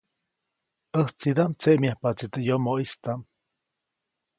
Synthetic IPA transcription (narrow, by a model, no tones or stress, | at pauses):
əht͡sid̪amt͡seʔmjahpat͡sit̪əjomoʔist̪am